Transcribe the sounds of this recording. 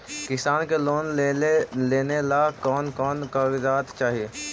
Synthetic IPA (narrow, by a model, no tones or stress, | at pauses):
kɪsaːnkeloːn | leːnelakɔːnkɔːnkəɡd͡ʒaːt̪t͡ʃaːɦieː